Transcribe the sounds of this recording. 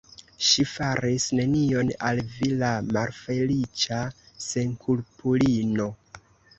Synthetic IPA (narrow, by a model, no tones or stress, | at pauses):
ʃifaɾisne̞nio̞nalvilamalfe̞lit͡ʃa | se̞nkʰulpulino̞